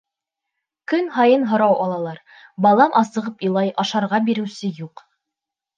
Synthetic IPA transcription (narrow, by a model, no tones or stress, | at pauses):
kɵnɦɑjɤnɦŏɾɑwɑlˠɑlˠɑɾ | bɑlˠɑmʔɑsɤ̆ʁɤpilˠɑjɑʃɑɾʁɑbiɾɘ̆wsɘjuq